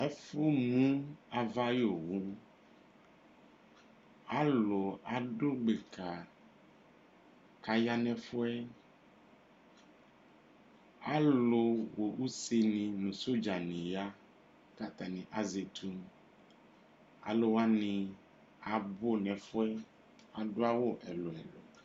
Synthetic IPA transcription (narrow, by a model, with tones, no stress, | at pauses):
ɛ˦fo˦mũ˦a˨va˦jo˨wu˦ | a˦lo˨a˨ɖo˦ɡ͡be˨kʰa˨ | ka˨ja˦nɛ̃˨fo˦ɛ˦ | a˦lo˦wo˨wu˦se˦nĩ˨nũ˨so˦d͡ʒa˨nĩ˨ja˦ | ka˦t̪a˨nĩ˨ʔa˦ze˨t̪ʰu˦m | a̰˨lo˦wa˦nĩ˨ | a˨bo˦nɛ̃˨fo˦ɛ˦ | a˨ɖo˦a˦wo˦ʔɛ˨lo˨ɛ̰˨lo̰˨